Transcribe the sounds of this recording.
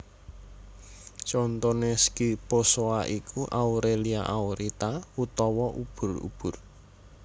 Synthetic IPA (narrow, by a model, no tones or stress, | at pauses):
t͡ʃɔnt̪ɔneskiposoaʔikʰuʔawɾeliaʔawɾit̪aut̪ɔwɔʔub̥ʊ̤rṵb̥ʊ̤r